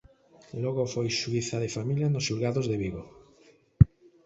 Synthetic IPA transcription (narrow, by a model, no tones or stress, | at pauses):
lɔɣofojʃuiθaðefamiljanosʃulɣaðozðeβiɣo